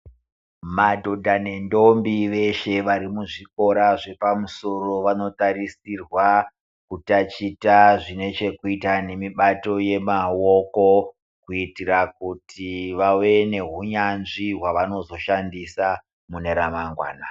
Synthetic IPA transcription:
madʱo̞dʱane̞ndo̞mbiʋe̞ʃe̞ʋaɾimuʐiko̞ɾaʐe̞pamuso̞ro̞ʋano̞taɾisirwa | kutat͡ʃitaʐine̞t͡ʃe̞kuitane̞miɓato̞je̞mao̞ko̞ | kuitirak̚utiʋawe̞ne̞ɦuɲanʐiɦwaʋano̞zo̞ʃandisa | mune̞ɾamaŋɡwa̰ːna

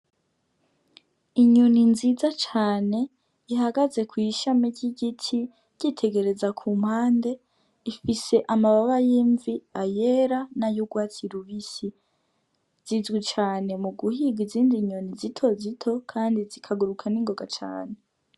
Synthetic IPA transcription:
iɲoninzizat͡ʃaːne̞ | ihaɡaze̞kwiʃamiɾɟiɟitʰi | ɟ̥itʰe̞ɡe̞ɾe̞zakʰuːm̥haːnde̞ | ifise̞ʔamaβaβajiːɱviajeɾanajuɡwaːt͡siɾuβisi | z̥izɡit͡ʃaːne̞muɡuhiɡiziːndiɲonizitʰo̞zitʰo̞kʰaːndizikʰaɡuɾukʰaniŋɡo̞ɡat͡ʃa̰ːne̞

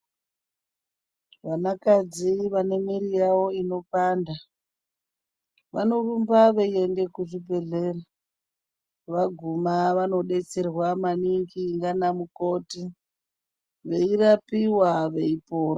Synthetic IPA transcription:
ʋanakad͡ziʋanemiɾijawo̞ino̞paːnda | ʋa̰no̞rumbaʋeie̞nde̞kuʐibʱe̞ɮe̞ːra | ʋaɡʱumaʋano̞ɗe̞t͡se̞rwamaniŋɡiŋɡanamukoti | ʋe̞irapiwaʋe̞ipoːro

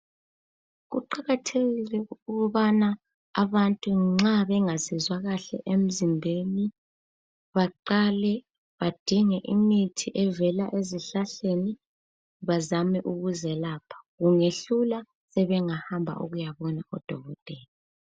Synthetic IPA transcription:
ɣuǃaɣatʰeɣilɛuɣuβana | aβantʼuŋ͡ǁaβɛŋasizwaɣaɬɛ̰ʔem̩zimbʱeni | βaǃalɛ | βad̥ʱiŋɛʔimitʰiʔɛvɛlaʔeziɬaɬeni | βazamɛʔuɣuzɛlaːpʰḁɣuŋeɬula | sɛβɛŋahambʱa̰ʔṵɣujaβɔnaʔɔd̥ʱɔɣɔd̥ʼʱɛːli

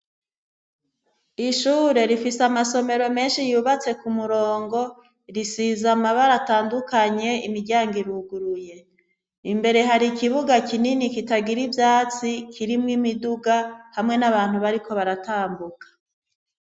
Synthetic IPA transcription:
iʃuːɾe̞ɾifisamaso̞me̞ɾo̞me̞ːnʃijuːβat͡se̞kumuɾo̞ːŋɡo̞ | ɾisizamaβaɾataːndukaɲe̞imiɾɟaːŋɡiɾuɡuɾuje̞ | imbe̞ɾe̞ɦaɾikiβuɡakininikitaɡiɾivjaːt͡sikʰiɾimŋimiduɡahamŋe̞naβaːn̥huβaɾikʰo̞βaɾataːmbukḁ

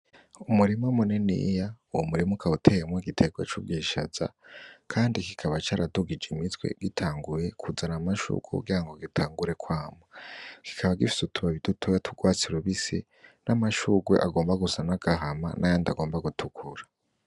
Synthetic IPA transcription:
umuɾimumunenḭjauwomuɾimukʰautʰe̞jemŋoɡitʰe̞ɡwat͡ʃub̚ɡiːʃa̰z̥a̰kʰaːndikikʰaβat͡ʃaːɾaduɡid͡ʒimitwḛɡ̥itʰaːŋɡuje̞kʰud͡zanamaʃṵːɡ̥wekṵɡiɾaŋɡo̞ɡitʰaːŋɡuɾe̞kwaːmoki̥kʰaβaɡifi̥sutuβaβidutʰojatʰuɡwaːt͡siɾuβisḭ | nʔamaʃuɡwḛʔa̰ɡo̞ːmbaɡusanaɡ̥aɦama̰nʔajaːndaɡo̞ːmbaɡutʰukʰuɾa

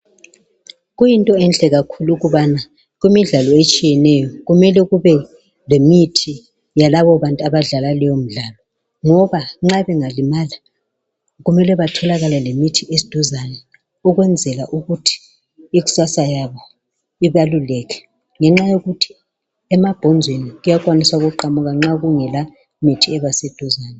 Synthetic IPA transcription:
ɣujintʼɔɛnɬʼɛɣakʰuluɣuβana | ɣimiɮalɔet͡ʃʼijɛnɛjɔɣumɛlɛɣuβɛ | lemitʰi | jalaβɔβantʼaβaɮalalɛjom̩ɮalɔ | ŋɔβaŋ͡ǁaβɛŋalimali | ɣumɛlɛβatʰɔlaɣalɛlemitʰiʔesi̥d̥ʱuzanɛ | uɣwɛnd͡zʱɛlaʔuɣutʰi̥ | iɣu̥sasajaβɔ | iβalulɛkʰɛ̥ | ŋɛŋ͡ǁajoɣutʰi̥ | ɛmab̥ʱɔnd͡zʱweniɣujakʼwanisauɣuǃamuɣaŋ͡ǁaɣuŋɛla | mitʰiɛβased̥ʱuzaːnɛ

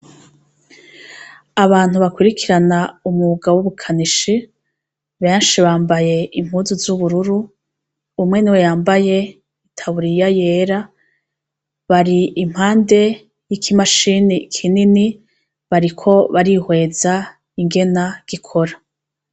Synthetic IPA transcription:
aβaːn̥huβakwiɾikʰiɾanaumuɡawuβukʰaniʃi | βe̞ːnʃiβaːmbaje̞im̥huːzuzuβuɾuɾuː | mŋe̞niwejaːmbaje̞ | itʰaβuɾijaje̞ːɾa | βaɾiim̥haːnde̞ | jikʰimaʃinikʰinini | βaɾikʰo̞βaɾihwe̞ːza | iŋɡe̞naɡ̥ikʰo̞ɾa

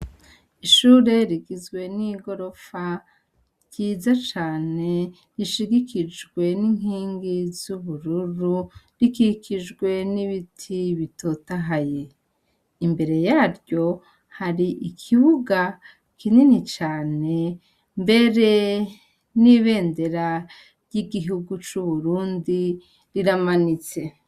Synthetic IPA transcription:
iʃuːɾe̞ɾiɡizɡwe̞niɡo̞ɾo̞fa | ɾɟiːzat͡ʃaːne̞ | ɾiʃiɡikid͡ʒɡwe̞niŋ̥hiːŋɡizuβuɾuɾu | ɾikikid͡ʒɡwe̞niβitʰiβito̞taɦaje̞ | imbe̞ɾe̞jaːɾjo̞ | haɾiʔikʰiβuɡa | kʰininit͡ʃaːne̞ | mbe̞ɾe̞ | niβe̞ːnde̞ɾa | ɾjiɡiɦuɡut͡ʃuβuɾuːndi | ɾiɾamanit͡se̞

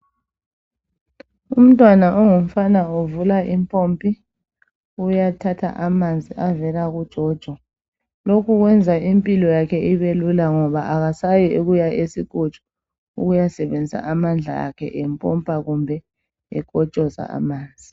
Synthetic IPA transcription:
um̩tʼwanaʔɔŋum̩fanauvulaʔimpʰʼompʼi | ujatʰatʰa̰ʔamand͡zʱiʔavɛlaɣud̥ʒ̥ʱɔd̥ʒ̥ʱwɔ | lokʰuɣwɛnd͡zʱaimpʼilɔjakʰɛiβelulaŋɔβaʔaɣasajɔeɣujaʔesikʼu̥t͡ʃʼɔ̥ | uɣujasɛβend͡zʱisa̰ʔamand͡ɮʱa̰ja̰kʰɛ̰ʔɛmpʼʰɔmpʼaɣumbʱɛ | ɛkʼɔt͡ʃʼɔza̰a̰maːnd͡zʱi

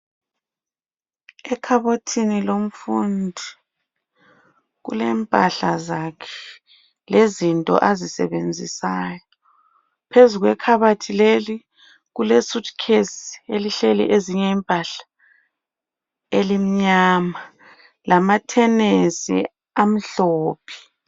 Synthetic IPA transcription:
ɛkʰaβotʰinilom̩fundʱi | ɣṵlɛːmpʼaɬazakʰɛ̥ | lezintʼɔ̰ʔazisɛ̰βend͡zʱisaːjɔ | pʰezuɣwɛkʰaβatʰileli | ɣulesudkʰesi̥eliɬelɛ̰ʔeziɲɛimpʼaɬḁ | elim̩ɲaːma | lamatʰɛnesḭ | am̩ɬoːpʰi̥

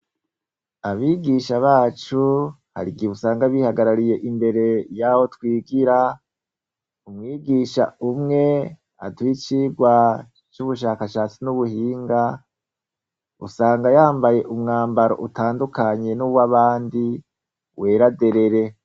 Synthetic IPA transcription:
aβiːɡiʃaβaːt͡ʃu | ha̰ɾiɡiβusaːŋɡaβihaɡaɾaɾije̞ʔimbe̞ɾe̞jaho̞twiːɡiɾa | umŋiːɡiʃa̰umŋe̞ | a̰twiːt͡ʃiɡwa | t͡ʃuβuʃaːkaʃaːt͡sinuβuhiːŋɡa | ṵsaːŋɡajaːmbaje̞ʔumŋaːmbaɾo̞̰ʔutaːndukaɲe̞nuβwaβaːndi | wʔe̞ːɾade̞ɾe̞ɾe̞

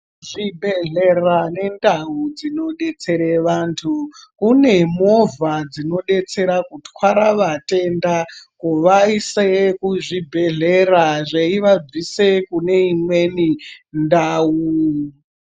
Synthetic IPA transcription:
ʐibʱeɮerane̞ndaud͡zino̞ɗet͡se̞ɾeʋantʰukune̞mo̞vad͡zino̞ɗe̞t͡se̞ɾakutwaɾaʋate̞ndakuʋaisekuʐibʱe̞ɮeraʐeiʋad͡zwisekune̞imwenindau

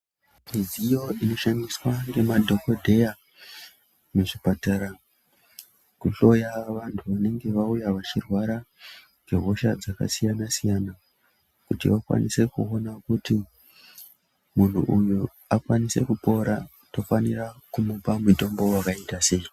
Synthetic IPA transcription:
mizijo̞ʔino̞ʃamiswaŋɡe̞madʱo̞ko̞dʱe̞ja | muʐipataɾa | kuɬo̞jaʋantʰuʋane̞ŋɡe̞ʋaujaʋat͡ʃirwaɾa | ŋɡeɦo̞ʃad͡zaka̰sijanasijana | kutḭʋakwa̰nise̞kuonakuti | mun̤ṵʔuju | akwanise̞̰kupo̞ɾa | to̞faniɾakumupamuto̞mbo̞wakaitase̞i

